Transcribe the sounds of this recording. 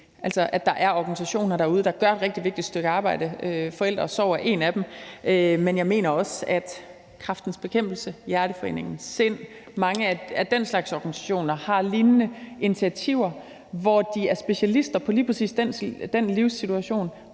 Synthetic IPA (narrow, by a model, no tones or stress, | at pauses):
ʔælsɒ̽ʔæd̥ɑ̈ʔæɐɒɡ̥ænis̬æɕo̝̰ːnɐɾ̥æɐuð̞ˠəd̥ɑ̈ɡ̥ɶɐe̝d̥ʁɛɡ̥̚d̥iʋe̝ɡ̥̚did̥sd̥øɡ̥əɑ̈ːb̥ɑ̈ɪ̰d̥əøfɒ̽el̰d̥ʁɐsɒʊ̰ɐʔe̝ːnæd̥emømenjɑ̈ɪme̝̰ːnɐɒ̽sæd̥ | kʰʁɑfd̥n̩sb̥e̝kʰem̰b̥l̩səjæɐɾ̥əfɒ̽e̝̰ːne̝ŋn̩se̝n̰ | mɑ̈ŋəææd̥enslɑ̈ɡ̥sɒɡ̥ænisæ̥ɕo̝̰ːnɐhɑ̈linnəi̝nit͡sʰiæt͡sʰiʊ̰ɐ | ʋɒd̥iæɐsb̥e̝ɕælisd̥ɐpʰɒ̽liːpʰʁɐsḭːsd̥en̰d̥enliʊ̰sit͡sʰuæɕo̝̰ːn